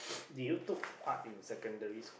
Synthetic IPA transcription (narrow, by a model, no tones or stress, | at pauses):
dujut̪upkʰatĩnsɛkə̃ndəɹis